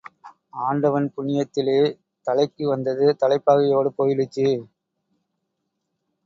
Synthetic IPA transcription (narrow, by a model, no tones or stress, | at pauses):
aːɳɖɐʋɐnpʊɳɪjɐt̪ːɪleː | t̪ɐlɐɪkːɯʋɐnd̪ɐðɯt̪ɐlɐɪpːaːɣɐjoːɽɯpoːjɪlɪt͡ʃːɯ